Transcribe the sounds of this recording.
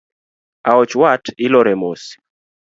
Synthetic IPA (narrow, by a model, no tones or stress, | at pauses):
aɔt͡ʃwatɪlɔɾɛmosi̥